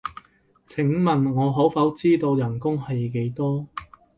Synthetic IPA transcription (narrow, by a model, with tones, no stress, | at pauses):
t͡sʰɪ˨˥ŋmɐ˨nŋɔː˨˧ɦo˨˥wfɐ˨˥wt͡siː˥t̪o˧wjɐ˨˩nkʊ˥ŋhɐ˨jke˨˥jt̪ɔː˥